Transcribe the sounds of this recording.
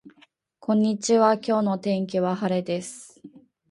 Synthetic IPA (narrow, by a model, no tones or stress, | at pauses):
kʰõ̞ɲ̟ːit͡ɕiβakʲo̞ːno̞t̪ẽ̞ŋk̬ʲiβaɦaɾe̞d̪e̞sɨ̥